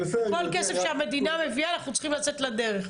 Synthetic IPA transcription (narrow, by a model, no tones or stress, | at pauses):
kolkesefʃeame̞d̪iname̞viaːnaχnut͡sχimlat͡set̪lad̪eʁeχ